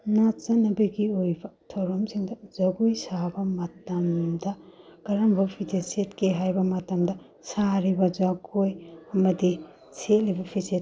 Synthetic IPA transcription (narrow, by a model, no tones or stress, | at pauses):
nat͡ʃɐnːɐbɐɡiojbɐtʰoɾomsiŋdɐzɐɡujsabɐmɐtɐmdɐkɐɾɐmbɐpʰitʰesetkeɦajbɐmɐtɐmdɐ | saɾibɐd͡ʒaɡojɐmɐdi | sʰet̚libɐpʰiset